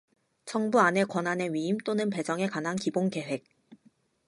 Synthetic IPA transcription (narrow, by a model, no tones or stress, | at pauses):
t͡ɕʰʌŋbuane̞kwʌnane̞ɥiimt͈onɯnpe̞d͡ʑʌŋe̞kanɦankibonke̞we̞k̚